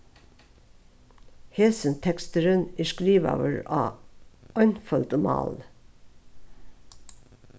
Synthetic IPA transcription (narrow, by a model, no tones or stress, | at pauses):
heːsənt̪ʰɛkst̪əɾəniʃkɾiːʋɑ̰ːʋəɹɑː | œʏnfœld̪əmɑ̰ːl